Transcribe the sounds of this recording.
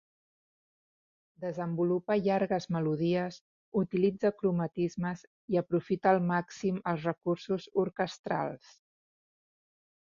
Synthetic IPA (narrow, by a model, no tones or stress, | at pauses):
d̪əzəmbulupəʎaɾɣəzməluðiəz | ut̪ilid͡zəkɾumət̪izməz | iəpɾufit̪əːlˠmaksiməlˠzrəkursuzuɾkəst̪ɾa̰lˠs